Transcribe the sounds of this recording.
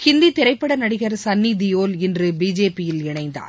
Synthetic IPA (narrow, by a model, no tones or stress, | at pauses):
hɪnd̪it̪ɪɾɐɪpːɐɽɐnɐɽɪɣɐɾsɐnːid̪ɪjoːlɪndrɯbiːd͡ʒeːpɪjɪlɪɳɐɪnd̪a̰ːɾ